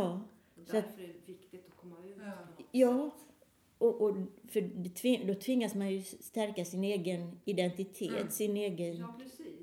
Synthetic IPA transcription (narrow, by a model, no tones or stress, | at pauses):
ɑː | sat̪ | jɑː | ɔʔɔfœd̪ɛt̪ʰvɪd̪ɔt̪ʰvɪŋːasmanjɵst̪æɾkasɪneːɡənɪd̪ɛnt̪ɪt̪ʰeːt̪sɪneːɡən